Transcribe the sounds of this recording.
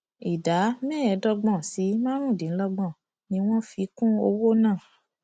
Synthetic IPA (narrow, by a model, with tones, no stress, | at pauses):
i˨da˨˦mɛ̃ː˦ɛ˨˧˦dɔ˧ɡ͡bɔ̃˧˨si˨˦mã˦ɾ̃ũ˦˨dĩ˨˦lɔ˧ɡ͡bɔ̃˦˨ | nĩ˧˦w̃ɔ̃˦fi˧˦kũ˦o˧wo˦nãː˦˨